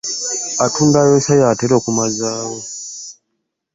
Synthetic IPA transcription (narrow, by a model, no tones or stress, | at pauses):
atundajosajaːteɾoːkumazaːwo